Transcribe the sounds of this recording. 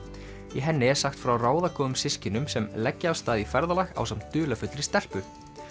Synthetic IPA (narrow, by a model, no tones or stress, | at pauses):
iɦɛnːɪɛ̥saxt̪fɾawraːwðakʰɔːðʏmsɪscɪnʏmsɛmlɛcːɪaːwst̪aːðifɛɾðalaxa̰wsamnt̪ʏːlafʏt̪lɾɪ̥st̪ɛr̥pʏ